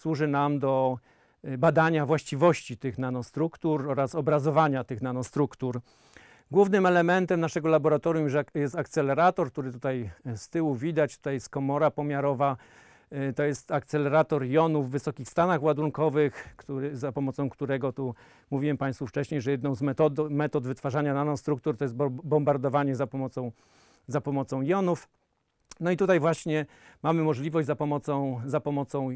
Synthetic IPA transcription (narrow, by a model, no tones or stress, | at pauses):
swuʐɘnamd̪ɔ | bad̪aɲavwaɕt͡ɕivɔɕt͡ɕit̪ɘxnanɔst̪ɾukt̪uɾɔɾasɔbɾazɔvaɲat̪ɘxnanɔst̪ɾukt̪uɾ | ɡwuvnɘmɛlɛmɛnt̪ɛmnaʂɛɡɔlabɔɾat̪ɔɾjumjjɛst̪ak̚t̪sɛlɛɾat̪ɔɾk̚t̪uɾɘt̪ut̪ajst̪ɘwuvʲid̪at͡ɕt̪u̥t̪ajɛst̪̚kɔmɔɾapɔmʲjaɾɔva | t̪ɔjɛst̪akt̪sɛlɛɾat̪ɔɾjɔnuvːɘsɔkʲixst̪anaxwad̪uŋkɔvɘxkt̪uɾzapɔmɔt̪sɔ̃w̃kt̪uɾɛɡɔt̪u | muvʲiwɛmpaj̃st̪fuft͡ʂɛɕɲejʐɛjɛd̪nɔ̃w̃zmɛt̪ɔd̪mɛt̪ɔd̪vɘt̪faʐaɲananɔst̪ɾukt̪uɾt̪ɔjɛst̪bbɔmbaɾd̪ɔvaɲɛzapɔmɔt̪sɔ̃w̃ | zapɔmɔt̪sɔ̃w̃jɔnuf | nɔit̪ut̪ajvwaɕɲɛ | mamɘmɔʐlʲivɔʑd͡ʑʲzapɔmɔt̪sɔ̃w̃zapɔmɔt̪sɔ̃w̃